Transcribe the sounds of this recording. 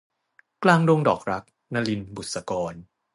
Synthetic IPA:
klaː˧ŋdo˧ŋdɔː˨˩k̚ɾa˦˥k̚ | na˧li˧nbu˨˩t̪̚sa˧kɔː˧n

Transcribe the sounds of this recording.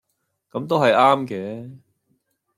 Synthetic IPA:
kɐ˨˥mt̪o˥wɦɐ˨jaː˥mkɛː˨˦

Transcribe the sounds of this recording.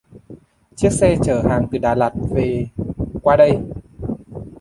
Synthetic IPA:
t͡ɕi˦˥ək̚sɛ˧t͡ɕəː˧˩haː˨˩ŋt̪ɨ˨˩ɗaː˨˩la˨˩t̚ve˨˩kwaː˧ɗə˧j

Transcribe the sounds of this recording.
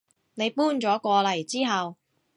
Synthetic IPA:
ne˨˧jpuː˥nt͡ʃɔː˨˥kʷɔː˧lɐ˨˩jt͡siː˥ɦɐ˨w

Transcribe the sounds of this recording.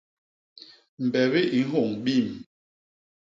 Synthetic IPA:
m̩˨bɛ˨βi˦ʔi˨˦ŋ̩˦ɦo˦˨ŋɓi˦˨m

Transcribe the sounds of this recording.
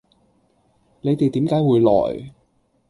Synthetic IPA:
le˨˧jt̪e˨jt̪iː˨˥mkaː˨˥jwuː˨˧jlɔ̰ː˨˩j

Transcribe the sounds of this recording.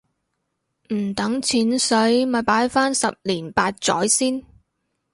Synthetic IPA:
m̩˨˩t̪ɐ˨˥ŋt͡sʰiː˨˥nsɵ˨˥ɥmɐː˨jpaː˨˥jfaː˥nsɐ˨p̚liː˨˩npaː˧t̚t͡sɔ̰ː˨˥jsiː˥n

